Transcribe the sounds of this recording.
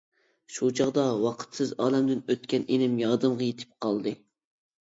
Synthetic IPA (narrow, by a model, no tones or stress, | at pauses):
ʃut͡ʃʰɑʁd̪ɑwɑqʰə̥t̪sɨzɑːlɛmd̪ɪnøt̪kʲɛnʔenɪmjɑːd̪ɨmʁɑjet̪ʰɪ̥p̚qʰɑlˠd̪ɨ